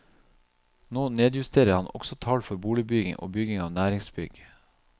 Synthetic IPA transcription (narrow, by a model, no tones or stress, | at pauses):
noːneːd̪jʉst̪ʰeːɾəɾhɑnʔɔ̰ɡ̥sɔt̪ʰɑːlfɔɾbuːlɪbʏɡɪ̰ŋʔo̰ːbʏɡɪŋɑːʋnæːɾɪŋsbʏɡ